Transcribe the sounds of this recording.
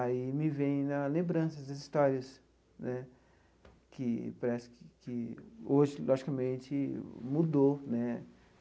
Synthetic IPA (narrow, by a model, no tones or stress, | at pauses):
aimɪvẽj̃nɐlẽmbɾɐ̃sɐd̪ɐzist̪ɔɾiɐs | nɛ | kɪpaɾɛsʊ̥kɪkɪoʒɪlʔɔʒikɐmẽnt͡ʃɪmud̪onɛ